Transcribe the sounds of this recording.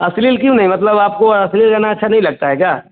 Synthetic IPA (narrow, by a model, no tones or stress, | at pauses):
ɐslilkjũnɐɦĩmɐt̪ləbaːp̚koɐslilkɐnaɐtːʃʰanɐɦĩlɐɡ̚t̪aɦɛːkaː